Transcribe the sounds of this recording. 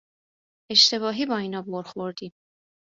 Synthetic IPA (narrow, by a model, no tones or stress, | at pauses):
e̞ʃt̪e̞βɒːɦiːbɒːiːnɒːboɾxoɾd̪iːm